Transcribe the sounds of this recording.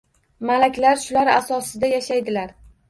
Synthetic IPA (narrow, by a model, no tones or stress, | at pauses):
malakʲlaɾʃʊlaɾasɒsɪd̪ajaʃajd̪ɪlaɾ